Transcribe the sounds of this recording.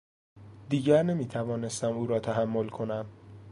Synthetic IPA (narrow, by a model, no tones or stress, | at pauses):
d̪iːɟæɾne̞miːt̪ʰævɒːne̞st̪æmuːɾɒːt̪ʰæɦæmːo̞lkʰo̞næm